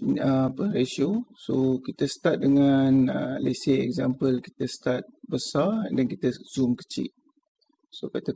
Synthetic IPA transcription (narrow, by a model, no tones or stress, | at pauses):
əapəresosokit̪əst̪at̪̚dəŋanəleseɛkzampəlki̥t̪əsət̪at̪̚bəsardankit̪əz̥umkə̥t͡ʃḭʔ̚ | sokat̪a